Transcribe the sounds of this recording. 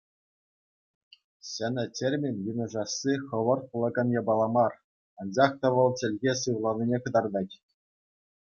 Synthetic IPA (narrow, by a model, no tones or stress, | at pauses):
ɕɘ̆nʲɘ̆tʲerʲmʲinʲjunɤ̆ʐɑsːiχɤ̆ʋɤ̆r̚plˠɤ̆ɡɤ̆njɑbɑlˠɑmɑr | ɑnd͡ʑɑχt̪ɑʋɤ̆lˠt͡ɕʲɘ̆lʲɣʲes̬ɯʋlˠɑnʲinʲekɤ̆d̪ɑrd̪ɑtʲ